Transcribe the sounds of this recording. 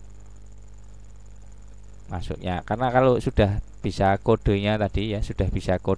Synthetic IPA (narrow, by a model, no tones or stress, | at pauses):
masṵʔɲakarnakalosud̥ahb̥isakoɖ̥o̤ɲat̪ad̥ijasud̥ahb̥isako